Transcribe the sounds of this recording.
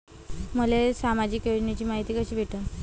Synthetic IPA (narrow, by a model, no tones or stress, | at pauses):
məlesamad͡ʑiːkjod͡ʑnet͡ɕiːmaɦit̪iːkəɕiːbʱeʈə